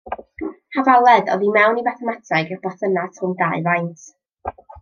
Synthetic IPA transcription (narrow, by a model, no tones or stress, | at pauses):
havalˠɛdɔ̰ðimɛwnivaθɔmatʰaɡɪrb̥ɔθənatʰʊndaɨvajntʰ